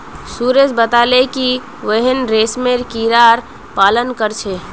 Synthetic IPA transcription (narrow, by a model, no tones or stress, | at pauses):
suɾed͡ʒbət̪aːleki | ʋəɦənɾeːsmeɾkiɾaːɾ | paːlənkəɾt͡ʃʰeː